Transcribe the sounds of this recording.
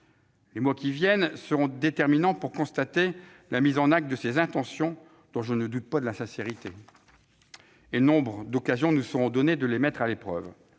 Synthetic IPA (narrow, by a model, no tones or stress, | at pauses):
lemwakʲivjɛnsəʁɔ̃d̪et̪ɛʁminɑ̃puʁkɔ̃st̪at̪e | lamizɑ̃nak̚t̪̚d̪əsezɛ̃t̪ɑ̃sjɔ̃ | d̪̥ɔ̃ʒənəd̪ut̪̚pad̪əlasɛ̃seʁit̪e | enɔ̃bʁəd̪ɔkazjɔ̃nusəʁɔ̃d̪ɔned̪əlemɛt̪χalepχœ̰v